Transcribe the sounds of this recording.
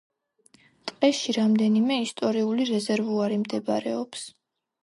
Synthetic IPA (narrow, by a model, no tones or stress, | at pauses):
t̪ʼqʼɛʃiɾamd̪ɛnimɛist̪ʼɔɾiuliɾɛzɛɾvuaɾimd̪ɛba̰ɾɛɔps